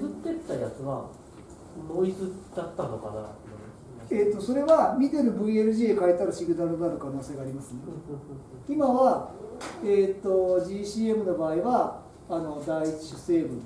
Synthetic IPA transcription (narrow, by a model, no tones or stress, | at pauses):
ɯ̟t̪ːe̞t̪ːajat͡sɨβa̰ | noit͡sɨd̪̥at̪ːanoka̰na̰na | eːt̪ːo̞so̞ɾe̞βamʲit̪e̞ɾɯ̟bɯ̟ie̞ɾɯʑiːekaet̪aɾɯɕiɡɯ̟d̪aɾɯd̪aɾɯ̟kano̞ːse̞ɡaːɾʲimasɨne | imaβa | eːt̪ːo̞ʑiːɕiːe̞mɯ̟no̞baːiβaː | no̞d̪aiit͡ɕi̥ɕɯ̥se̞ːbɯ̟̃